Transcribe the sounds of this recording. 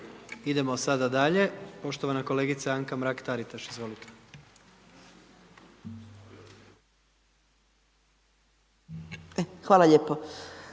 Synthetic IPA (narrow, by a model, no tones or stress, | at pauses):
id̪e̞mo̞sad̪ad̪aʎe̞po̞ʃt̪o̞ʋanako̞le̞ːɡit̪saaŋkamɾakt̪aɾit̪aʃizʋo̞lit̪e̥ | exʋaːlaʎeːpo